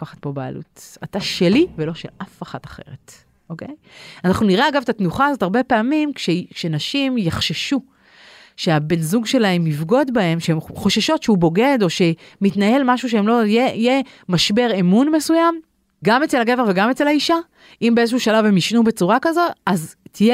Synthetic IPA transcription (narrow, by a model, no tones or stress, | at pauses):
kaχat̚po̞baa̰lṵtataʃe̞livelo̞ʃḛlʔafaχataχe̞̰ʁet | ʔo̞ke̞j | anaχnuniʁeaɡavetatnuχaːzo̞taʁbe̞peamimkʃekʃe̞naʃimjaχʃeʃu | ʃeabenzuɡʃe̞laemivɡo̞dbae̞mʃeemχo̞ʃaʃo̞tʃeubo̞ɡe̞do̞ʃe̞mitnae̞lmaʃuʃ̬eemlo̞jeije | maʃbe̞ʁemunme̞sujam | ɡamet͡selaɡeveveɡamet͡se̞laiʃa | imbeezeʃuʃalave̞miʃnubet͡suʁakazoaztʰije